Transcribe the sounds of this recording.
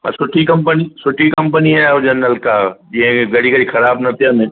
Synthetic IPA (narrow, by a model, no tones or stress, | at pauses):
mɐ̰sʊʈʰikɐ̃mpənisʊʈʰikɐ̃mpəniaʊd͡ʑənɐlkad͡ʑĩːɦə̃ɡɐɽ̤iɡɐɽixɐɾaːbnɐt̪ʰijənẽ